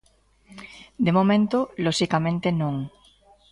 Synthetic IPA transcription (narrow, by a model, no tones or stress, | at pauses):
d̪emomẽnt̪oloʃikamẽnt̪enõŋ